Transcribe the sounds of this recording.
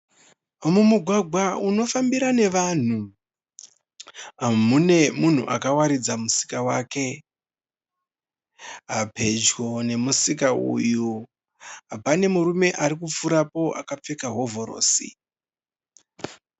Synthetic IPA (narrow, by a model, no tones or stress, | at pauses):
mumuɡʱwaɡʱwauno̞fambiɾane̞ʋan̤u | ɦamune̞mun̤ṵʔa̰kawaɾid͡zamusi̥kawaːke̞ | ɦapʰe̞d͡ʒɡone̞musikaṵju | ɦapane̞muɾume̞ʔaɾikup͡fuɾapo̞ʔa̰kap͡fe̞kaɦo̞vo̞ɾo̞̰ːsḭ